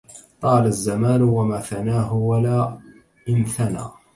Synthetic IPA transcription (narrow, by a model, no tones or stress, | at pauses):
t̪ˤɑːlazːamaːlʊwamaːθanaːɦʊwalaː | ʔɪnθana̰ː